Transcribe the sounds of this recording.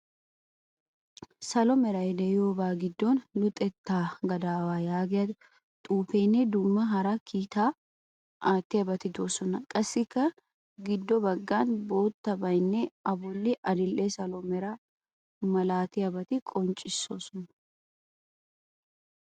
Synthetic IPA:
sɐlɔmɛɾɐd̪ɛjoːbaːɡɪd̪ːoːnlʊt̪ʼɛt̪ːaːɡɐd̪aːwaːjaːɡɛjɐ | t̪ʼuːfeːnːɛd̪ʊmːɐɦɐɾɐkʰiːt̪aː | aːt̪ːɪɐbɐt̪ɪd̪o̞ːsɔnɐkʼɐsːɪkːɐ | ɡɪd̪ːɔbɐɡːaːnbo̞ːt̪ːɐbɐjnːɛɐbɔlːɪʔɐd̪ɪlʔɛsɐlɔmɛɾɐ | mɐlaːt̪ɪɐbɐt̪ɪkʼɔnt͡ʃʼːɪsːoːsɔnɐ

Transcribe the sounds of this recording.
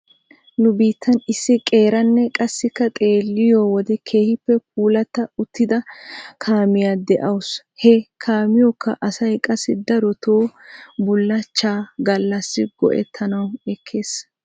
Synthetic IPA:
nʊbiːt̪ʰːɐnɪsːɪkʼe̞ːɾɐnːɛkʼɐsːɪkːɐt̪ʼe̞ːlːɪjoːwɔd̪ɛkʰe̞ːhɪpːɛk̚ʰuːlɐt̪ːɐʊt̪ːɪd̪ɐkʰaːmɪjaːd̪ɛʔɐwʊs | hɛkʰaːmɪjɔkːɐ̰ʔɐsɐjkʼɐsːɪd̪ɐɾɔt̪ʰoːbʊlːɐt͡ʃːaːɡɐlːɐsːɪɡɔ̰ʔɛ̰t̪ʰːɐnɐwɛkʰːe̞ːs

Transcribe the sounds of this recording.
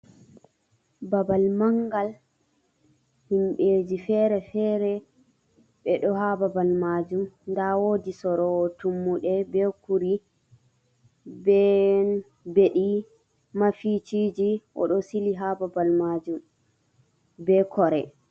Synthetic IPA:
babalmaŋɡal | himɓeːd͡ʒifɛɾɛfɛɾɛ | ɓɛɗɔɦababalmad͡ʒumndawodisɔɾɔtumːuɗɛbɛkuɾi | bɛ | beɗi | mafit͡ʃid͡ʒiʔɔ̰ɗɔsiliɦababalmad͡ʒum | bɛkɔɾɛ

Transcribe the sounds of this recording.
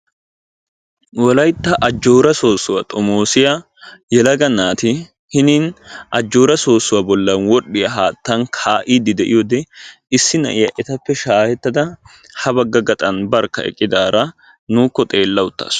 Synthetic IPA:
wɔlɐjt̪ːɐʔɐd͡ʒːo̞ːɾɐso̞ːsːʊwat̪ʼɔmoːsɪja | jɛlɐɡɐnaːt̪ɪ | hɪniːnʔɐd͡ʒːo̞ːɾɐso̞ːsːʊwɐbɔlːɐnwɔɗːɪjɐɦaːt̪ːɐnkʰaːʔiːd̪ɪd̪ɛʔɪ̰jɔd̪ɛ | ɪsːɪnɐ̰ʔɪjɐʔɛt̪ɐpːɛʃaːhɛt̪ːɐd̪ɐ | hɐbɐɡːɐɡɐt̪ʼɐnbɐɾkːɐɛ̰kʼːɪd̪aːɾɐ | nuːkːɔt̪ʼe̞ːlːɐwʊt̪ːɐ̰ːs

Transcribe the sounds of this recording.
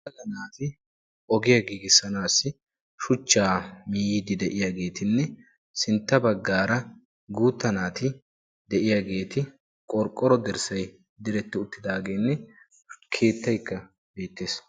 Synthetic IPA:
t̪ɐzɐnaːt̪ɪ | ʔɔɡɪjaɡiːɡɪsːɐnaːsːɪ | ʃʊt͡ʃːaːmiːjid̪ɪd̪ɛʔɪjaːɡe̞ːt̪ɪnːɛ | sɪnt̪ːɐbɐɡːaːɾɐ | ɡuːt̪ːɐnaːt̪ɪ | d̪ɛʔɪjaːɡe̞ːt̪ɪ | kʼɔɾkʼːɔɾɔd̪ɛɾsɐj | d̪ɪɾɛt̪ːɪʊt̪ːɪd̪aːɡe̞ːnːɛ | kʰe̞ːt̪ːɐjkːɐ | be̞ːt̪ːe̞ːs

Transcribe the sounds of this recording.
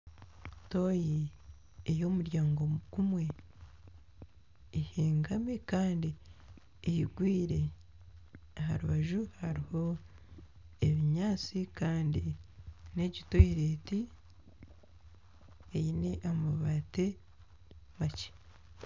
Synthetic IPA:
to̞ːji | ejo̞ːmuɾjaːŋɡo̞ɡ̥umwe̞ | heːŋɡamekaːndi | ejiɡwiːɾe̞ | aɦa̰ɾuβaʒuhaɾiho̞ | eβiɲaːt͡sikaːndine̞ɟitoiɾeːti | ejineʔamuβate | βaci̥

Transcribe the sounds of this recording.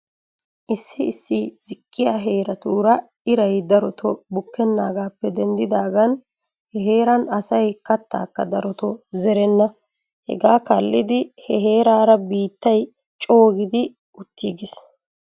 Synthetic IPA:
ʔɪsːɪɪsːɪzɪkʼːɪjaɦeːɾɐt̪uːɾɐ | ɪɾɐjd̪ɐɾɔt̪ʰɔbʊkːɛnːa̰ːɡaːpːɛd̪ɛnd̪ɪd̪aːɡɐn | hɛɦe̞ːɾɐnɐsɐjkɐt̪ːa̰ːkːɐ̰d̪ɐɾɔt̪ɔzɛɾɛnːɐ | hɛ̰ɡaːkɐlːɪd̪ɪhɛɦe̞ːɾaːɾɐbiːt̪ːɐj | t͡ʃʼo̞ːɡɪd̪ɪ | ʊt̪ːiɡɪs

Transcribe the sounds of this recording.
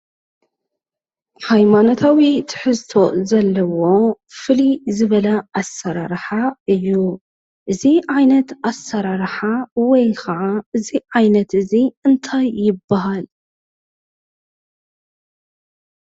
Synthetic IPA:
ħajmano̞t̪ʰawit̪ʰɨ̥ħɨzt̪ʰo̞zɐlːɐwo̞ | fɨlizɨβɐlɐasːɐɾaɾħaɨjːu | ʔɨziʕajnɐt̪ʔasːɐɾaɾħawɔjkɐʕaɨziʕajnɐt̪ɨziɨnt̪ʰajːɪbːaɦal

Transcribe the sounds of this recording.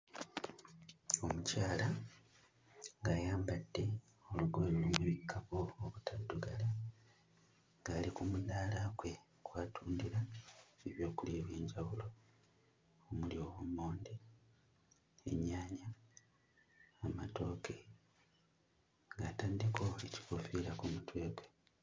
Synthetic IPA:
o̞mucaːla | ŋɡajaːmbadːe̞ | o̞luɡoeloumuβikʰːaβoːβutʰaduɡala | ŋɡaːlikumuðaːlaɡwe̞ | kwaːtʰuːndiɾaeβjo̞ːkuleβwe̞ːɲɟawulo̞ | omuljo̞ːwomːo̞ːnde | ḛɲːaːɲa | mato̞ːke | ŋɡaːtaːndiko̞eci̥kofiːlakumutwe̞ːɡwe

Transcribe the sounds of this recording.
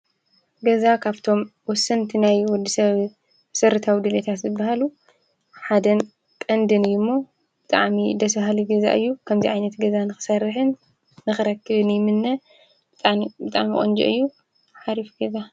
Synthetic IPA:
ɡɐzakʰaβt̪ʰo̞mwɔsːɨnt̪ʰinajwɔd̪ːisɐβ | sɐɾɨt̪ʰawid̪ɨlet̪ʰat̪zɨbːahalu | ħad̪ɐn | kʼɐnd̪ɨnɨjɪmːo | b̥ɨt̪ʼa̰ʕmid̪ɐsbaɦliɡɐza̰ʔɨjːukʰɐmziʕajnɐt̪ɡɐzanɨxɨ̥sɐrɨħɨnː | ɨxɨɾɐkːɨβɨnjɪmɨnːɐ | b̥ɨt̪ʼaʕmibɨt̪ʼa̰ʕmikʼo̰nd͡ʒḭʔɨ̰jːu | ħaɾifɡɐza

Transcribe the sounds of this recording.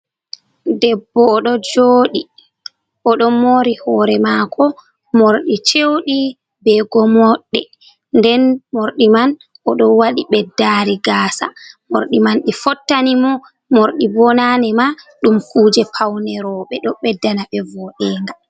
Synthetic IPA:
dɛbːɔːɗɔd͡ʒoːɗi | ʔɔɗɔmoɾihɔːɾɛmakʰɔ | moɾɗit͡ʃewɗi | bɛɡɔmɔɗːɛ | ndɛnmoɾɗiman | ʔɔɗɔwaɗiɓɛdːaɾiɡaːsa̰mo̰ɾɗimanɗifɔtːanimɔ | moɾɗibɔnanɛmaɗumkuːd͡ʒɛpʰawnɛɾɔɓɛɗɔɓɛdːanaɓɛvɔɗɛːŋɡa

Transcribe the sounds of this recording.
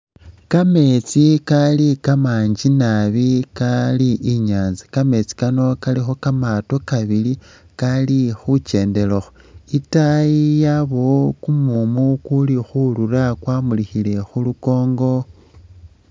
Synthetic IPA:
kame̞t͡sikalikamaːɲd͡ʒinaβikaliʔiɲaːnzikame̞t͡si̥kano̞kalixo̞kamato̞kaβili | kalixut͡ʃe̞ːnde̞loxo | itajijaβo̞kumumukulixulurakwamulixile̞xuluko̞ːŋɡo̞

